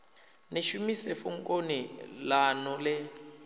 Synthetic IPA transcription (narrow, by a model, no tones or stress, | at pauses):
neʃumisefuŋkʼonilanɔlɛ